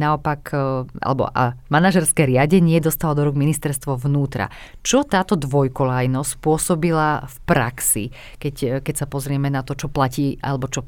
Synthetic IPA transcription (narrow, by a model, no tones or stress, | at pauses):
naɔpakʔa̰lɛbɔ̰ʔa̰manaʒɛɾskɛɾɪaɟɛɲɪɛd̪ɔst̪alɔd̪ɔɾuɡminist̪ɛɾst̪ʋɔʋnuːt̪ɾa̰ | t͡ʃɔt̪aːt̪ɔd̪ʋɔjkɔlajnɔspʊɔsɔbilafpɾa̰ksḭ | kɛckɛcsapɔzɾɪɛmɛnat̪ɔt͡ʃɔplaciːʔa̰lɛbɔt͡ʃɔ